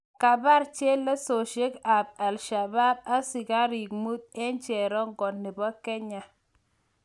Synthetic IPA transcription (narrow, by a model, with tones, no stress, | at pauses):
ka˨ba˦ɾt͡ʃe˦lːa˦so˨ʃe˦ka˨b̚a˨lʃa˨ba˦b̚a˦si˨ɡa˦ɾi˨k̚mu˦t̪̚e˦nt͡ʃɛ˨ɾɔ˦ŋɡɔ˨nnːi˨bɔ˦kɛ˦ɲa˨